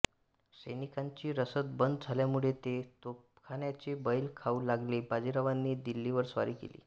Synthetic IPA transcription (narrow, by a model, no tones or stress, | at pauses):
səjnikaɲt͡ɕiːɾəsət̪̚bənd̪əd͡zʱaljamuɭet̪et̪op | kʰaɳjat͡ɕebəjlkʰaulaɡlebad͡ʑiɾaʋanːiːd̪ilːiʋəɾsʋa̰ɾiːkḛlḭː